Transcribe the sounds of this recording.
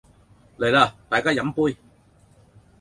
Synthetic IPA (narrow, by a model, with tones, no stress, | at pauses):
le˨˩jlaː˧t̪aː˨jkaː˥jɐ˨˥mpuː˥j